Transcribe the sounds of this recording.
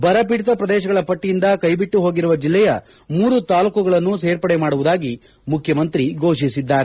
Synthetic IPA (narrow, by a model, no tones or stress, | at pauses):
bɐɾɐpiɽit̪ɐpɾɐd̪ɛːʃɐɡɐɭɐpɐʈːijind̪ɐkɐjbiʈːuɦoːɡiɾuʋɐd͡ʒilːɛjɐ | muːɾut̪aːlukɐɡɐɭɐnːuseːɾpɐɽɛmaːɽuʋud̪aːɡi | mukʰjɐmɐnt̪ɾiɡo̞ːʃisid̪ːaːɾe